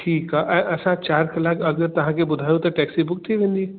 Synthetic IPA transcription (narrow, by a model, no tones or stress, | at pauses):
ʈʰiːkaʔɛ̃ʔɐsãt͡ʃaːɾkɐlaːkɐɡəɾt̪ɐɦãkebʊd̪ʱaːjũt̪ɐʈɛːksibʊk̚t̪ʰiʋẽːnd̪i